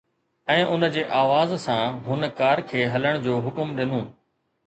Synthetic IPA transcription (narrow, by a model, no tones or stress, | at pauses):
ɛ̃ːʔʊnəd͡ʑeːʔaːʋaːzsãːɦʊnkaːɾkʰeːɦɐləɽ̃d͡ʑoːɦʊkʊmɗɪnũː